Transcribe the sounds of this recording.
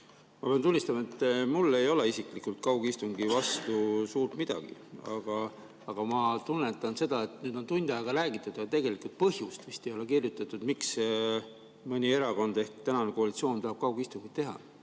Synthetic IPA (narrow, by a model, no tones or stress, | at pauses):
mɑpent̪unʲːist̪ɑmɑe̞t̪ːˑmulːe̞jo̞le̞isiklikult̪̚kɑwɡ̥uist̪uŋɡ̥ivɑst̪usuːrt̪mid̪̥ɑ̰ɡ̥ḭɑ̰ɡ̥ɑ | ɑɡ̥ɑmɑt̪unːet̪ːˑɑnse̞d̪̥ɑe̞t̪nyːd̪̥o̞nt̪unʲd̪̥ɑjɑɡ̥ɑɾæːɡ̥it̪ːˑud̪ɑt̪e̞ɡ̥e̞likult̪̚pɤɦjust̪vist̪ejo̞le̞kirjut̪ːˑɑt̪ːˑud̪miks | mɤnʲie̞ɾɑko̞nd̪e̞hkt̪ænɑnekoɑlit̪sio̞ːnt̪ɑɦɑb̥̚kɑwɡ̥ist̪uŋɡit̪t̪e̞ɦɑ̰